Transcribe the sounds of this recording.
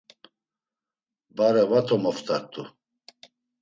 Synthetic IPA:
baɾɛvat̪ʰɔmɔft̪ʰʼaɾ̚t̪ʼu

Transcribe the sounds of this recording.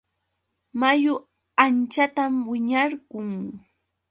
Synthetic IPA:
majʊ | ant͡ʃat̪amwɪɲaɾɢʊŋ

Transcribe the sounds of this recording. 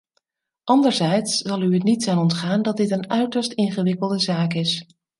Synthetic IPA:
ʔɑndəɹzɛjtszɑlˠyətnitsaːnɔntχaːndɑt̚dɪtənœɥtəɹstɪnχəʋɪkəlˠdəzaːkɪs

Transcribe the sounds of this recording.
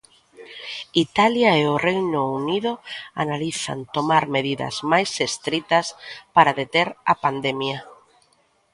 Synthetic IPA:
it̪aljaeorejnʊuniðoanaliθa̰nt̪omaɾmeðiða̰zmajsest̪ɾit̪aspaɾaðet̪eɾapand̪emja

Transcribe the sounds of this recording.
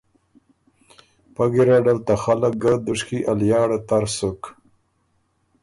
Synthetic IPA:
paɡiɾaɖalt̪axalak̚ɡad̪ʊʂkiʔaljɑːɽat̪aɾsʊk

